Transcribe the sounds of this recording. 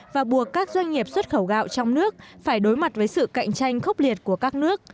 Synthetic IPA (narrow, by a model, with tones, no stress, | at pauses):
vaː˨˩ɓu˨˩əkːaː˦˥k̚zwa˧jŋ̟ŋi˨˩əp̚swə˦˥t̚xə˧˩wɣa̰ː˧˨wt͡ɕɔ˧wŋ͡mnɨ˦˥ək̚faː˧˩jɗo˨˦jma˨˩t̚vəː˨˦jsɨ̰˧˨ka̰˧˨jŋ̟t͡ɕa˧jŋ̟xə˦˥wk͡p̚li˨˩ət̚ku˧˩əkaː˦˥k̚nɨ˦˥ək̚